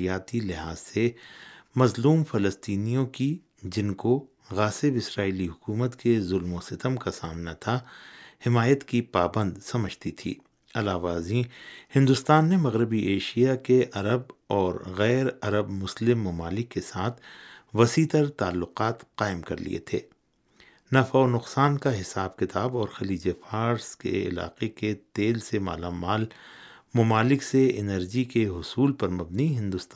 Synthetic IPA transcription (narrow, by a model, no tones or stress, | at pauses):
jaːt̪ilɪɦaːz̥se | mɐzluːmfɐləst̪iːnijõki | d͡ʒɪnko | ɣaːsɪbɪsɾaːiːliɦʊkuːmət̪kezʊlmosɪt̪əmkasaːmnat̪ʰahɪmaːjət̪kipaːbə̃nd̪sɐməd͡ʒt̪it̪ʰḭː | ɐlaːʋaːzĩhɪ̃nd̪ʊst̪aːnːemɐɣɾɪbiʔeːʃijakeʔɐɾəbɔːɾɣɛːɾɐɾəbmʊslɪmːʊmaːlɪkːesaːt̪ʰʋɐsiːt̪əɾt̪aːlːʊqaːt̪qaːɪmkɐ̰ɾlḭḛt̪ʰḛː | nɐfaonʊqsaːnkaɦɪsaːb̚kɪt̪aːbɔːɾxɐliːd͡ʒefaːɾskḛɪ̰la̰ːqeket̪eːlsema̰ːlaːmaːlmʊmaːlɪkseɪnəɾd͡ʒikeɦʊsuːlpɐɾmɐbniɦɪ̃nd̪ʊst̪a